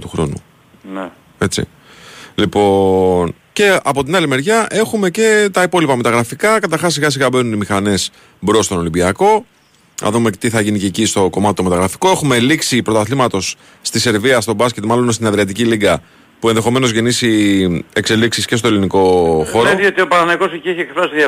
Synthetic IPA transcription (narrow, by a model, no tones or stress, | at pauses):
t̪uxɾo̞̰nṵ | n | e̞t͡sḭ | lipo̞n | ce̞ɐpo̞t̪inɐlime̞ɾʝɐʔe̞xume̞ce̞t̪ɐipo̞lipɐme̞t̪ɐɣɾɐfikɐkɐt̪ɐɾxɐsːiɣɐs̬iɣɐbe̞nunimixɐne̞s | bɾo̞st̪o̞no̞limbiɐko̞ | nɐ̰ðume̞t̪iθɐʝinicecist̪o̞ko̞mɐt̪eome̞t̪ɐɣɾɐfi̥ko̞e̞xume̞liksipɾo̞t̪ɐθlimɐt̪o̞sː | t̪ise̞ɾviɐst̪o̞bɐsce̞t̪mɐlo̞nst̪inɐðɾiɐt̪iciliɡɐ | pue̞nðe̞xo̞me̞no̞zʝe̞nisie̞kse̞liksisce̞st̪o̞liniko̞xo̞ɾoðiot̪iopɐɾɐnɐiko̞secieçiekfɾɐsiðɐ